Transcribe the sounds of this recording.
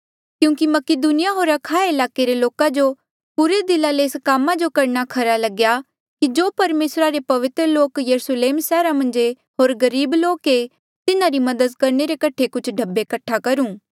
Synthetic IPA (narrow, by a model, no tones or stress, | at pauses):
kjũːkimɐkɪd̪uːnɪjaɦoːɾɐkʰaːɪlaːkeɾeloːkad͡ʒo | puɾed̪ɪlːaleɪskaːmad͡ʒokɐɾnakʰɐɾalɐɡja | kid͡ʒoːpɐɾmeːsɾaɾepɐʋɪt̪ɾəloːkjɐɾusleːmsɛːɾamɐ̃nd͡ʒe | ɦoːɾɡɐɾiːbloːke | t̪ɪnãɾimɐd̪əd̪kɐɾɳeɾekɐʈʰekʊt͡ʃʰɖʱɐbːekɐʈʰːakɐɾũː